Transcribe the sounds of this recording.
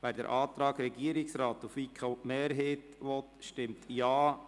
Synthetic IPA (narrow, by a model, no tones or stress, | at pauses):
væːɾdɛ̰ɾʔɑːt̪ɾɑːɡɾɛɡiəɾɪksɾɑːt̪ufikʰəmeːɾɦeːtʋɔt̪ʃtɪmt̪jɑː